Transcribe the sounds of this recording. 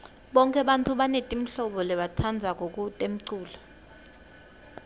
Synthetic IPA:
ɓɔŋkʼɛɓantʰuɓanetʼim̩ɬɔɓɔlɛɓat͡sʰand͡zʱak̬ʼok̬ʼutʼem̩ǀuːlɔ

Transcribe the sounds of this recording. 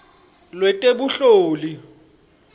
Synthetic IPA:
lwɛtʼeɓuɬoːli

